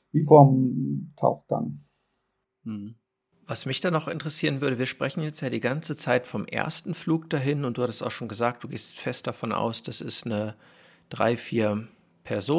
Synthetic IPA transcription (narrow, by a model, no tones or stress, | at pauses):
viːfɔɐmtʰa̰ʊxɡ̥a̰ŋ | vasmɪçd̥aːnɔχʔɪ̰ntəʁəsiːʁənvʏɐɾəviːɐʃpʁ̥ɛçn̩jɛt͡stjaːɾiːɡant͡sət͡saɪtfɔmʔḛɐstn̩fluːk̚d̥aɦɪnʊnt̚d̥uːhatəsta̰ʊxʃoːnɡəzaːk̚t̚d̥uːɡeːstfɛst̚d̥afɔnʔa̰ʊsd̥asɪstnə | d̥ʁa̰ɪfiːɐ | pʰɛɐzoː